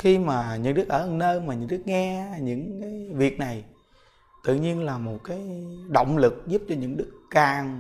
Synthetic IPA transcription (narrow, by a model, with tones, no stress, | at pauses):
xi˧maː˨˩ɲɨ̰˧˥ŋɗɨ˦˥k̚ʔəː˧˩˨nəː˧jmaː˨˩ɲɨ̰˧˥ŋɗɨ˦˥k̚ŋɛ˧ɲɨ̰˧˥ŋkaː˨˦jvi˨˩ək̚na˨˩j | t̪ɨ̰˧˨ɲi˧ənlaː˨˩mo˨˩t̚kaː˨˦jɗo̰˧˨wŋ͡mlɨ˨˩k̚zu˦˥p̚t͡ɕɔ˧ɲɨ̰˧˥ŋɗɨ˦˥k̚ːaː˨˩ŋ